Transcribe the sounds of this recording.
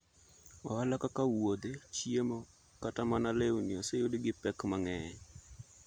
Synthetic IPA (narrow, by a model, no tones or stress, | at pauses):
ɔalakakawod̪et͡ʃiemo | katamanalewniosejodɪɡɪpɛkmaŋɛ